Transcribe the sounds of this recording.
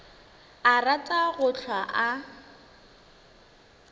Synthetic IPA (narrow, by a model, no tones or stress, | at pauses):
aratʼaɣʊt͡ɬʰwaʔa